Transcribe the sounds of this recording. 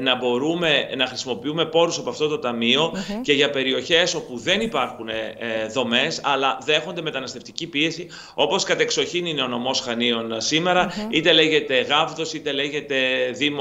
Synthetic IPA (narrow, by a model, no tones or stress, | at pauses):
nɐbo̞ɾume̞nɐxɾisimo̞piume̞po̞ɾusɐpoɐft̪o̞t̪o̞t̪ɐmio̞ce̞ʝɐpe̞ɾio̞çe̞so̞puðe̞nipɐɾxune̞ðo̞me̞sɐlɐðe̞xo̞nd̪e̞me̞t̪ɐnɐst̪e̞ft̪icipie̞si | o̞po̞skɐt̪e̞kso̞çinineo̞no̞mo̞sxɐnio̞nsime̞ɾɐit̪e̞le̞ʝe̞t̪e̞ɣɐvðo̞sit̪e̞le̞ʝe̞t̪e̞ðim